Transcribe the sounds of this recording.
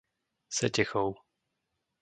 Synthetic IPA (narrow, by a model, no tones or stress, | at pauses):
sɛcɛxɔw